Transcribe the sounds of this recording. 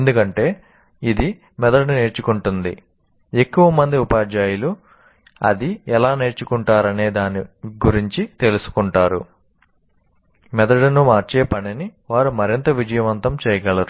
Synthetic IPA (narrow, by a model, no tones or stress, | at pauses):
end̪ukɐɳʈe̞ː | id̪i | mɛd̪ɐɖne̞ːɾt͡ʃukuɳʈund̪ḭ | e̞kːuʋɐmɐnd̪iupaːd͡ʒaːjulu | ɐ̰d̪iɛlaːne̞ːɾt͡ʃukuɳʈaːɾɐne̞ːd̪aːniɡuɾiɲt͡ʃit̪e̞lusu̥kuɳʈaːɾṵ | mɛd̪ɐɽnumaːɾt͡ʃeːpɐniniʋaːɾumɐɾint̪ɐʋid͡ʒɐjɐʋɐnt̪ɐmt͡ʃɛːjɐɡɐɭɐɾu